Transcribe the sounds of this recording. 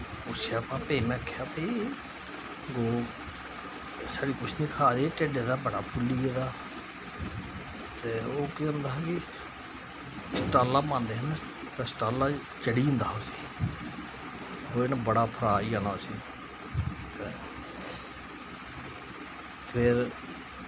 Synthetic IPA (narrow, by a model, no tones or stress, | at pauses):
ʊseapãːpeiːmẽːəkʰːejaːpeiː | ɡoː | saːɽiːkʊt͡ʃʰnĩːkʰaːd̪eːt͡ʃəɖeːd̪aːbəɽa̰ːpʰʊlːiːed̪aː | t̪eːoːkeə̃nd̪aːɦkɪ | sʈaːlːaːpãːnd̪eːɦn | t̪esʈaːlaː | t͡ʃəɽiːə̃nd̪aːɦoːsi̥ː | oːenãbəɽaːpʰəɾaːiːaːnaːsiː | t̪eː | pʰɪɾ